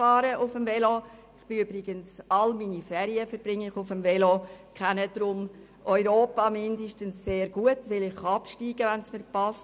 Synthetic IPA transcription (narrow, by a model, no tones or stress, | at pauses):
ɑːɾəʔʊfəmvɛlo | ɪχb̥ɪʏbɾɪɡ̥ənsɑlminifɛːɾiəfəɾb̥rɪŋːɪχʊfəmvɛlokʰɛnəd̥ɾʊm | ʔɔʏɾoːpɑmɪndəʃtənsseːɾɡ̥uətʋɪlɪχɑpʃtiːɡ̥əʋænsmɪːpɑst